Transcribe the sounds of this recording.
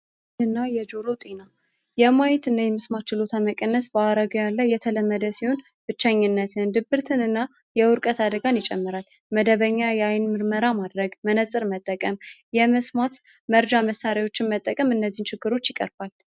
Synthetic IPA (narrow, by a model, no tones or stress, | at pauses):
ɨnːajɛd͡ʒoɾot̪ʼina | jɛmajɪt̪ɨnːajɛmɨsmat͡ʃːɪlo̞t̪ʰaməkʼənːəsbaaɾəɡəjalːəjɛt̪ʰələmːəd̪əsiho̞n | b̥ɨt͡ʃːaɲːɨnːət̪ʰɨnd̪ɨbɨɾt̪ʰɨnɨnːa | jɛwʊɾkʼət̪ʰad̪əɡanjɪt͡ʃʼɛmːɨɾal | məd̪əβəɲːajɛajɪnmɨɾməɾamad̪ɾəɡmənəsʼɨɾmət̪ʼːəkʼəmjɛmɨsmat̪ | məɾd͡ʒaməsːaɾawo̞t͡ʃːɪnmət̪ʼːəkʼəmɨnːəzːint͡ʃʰɪɡːɨɾo̞t͡ʃːjɪkʼə̰ɾbal